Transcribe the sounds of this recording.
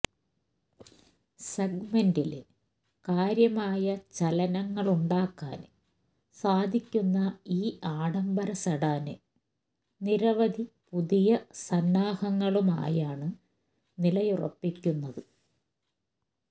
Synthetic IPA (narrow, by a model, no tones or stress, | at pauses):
seɡ̚mendil | kaːɾjɐmaːjɐt͡ɕɐlɐnɐŋːɐɭuɳɖaːkːa̰ːn | saːd̪ʱikʲːunːɐiːaːɽɐmbɐɾɐsɐɽaːnɨ | niɾɐʋɐd̪ʱipuðijɐsɐnːaːhɐŋːɐɭuma̰ːjaːɳɨ | nilɐjurɐ̰pːikʲːunːɐðɨ